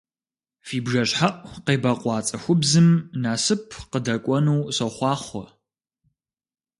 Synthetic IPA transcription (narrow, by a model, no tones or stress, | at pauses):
fiːbʒɐɕħaʔʷqeːbɐqʷʼɑːt͡sʼɐxʷʊbzɨmnaːsɨpʰqədɐkʷʼɔnuwɕɐχʷɑːχʷɔ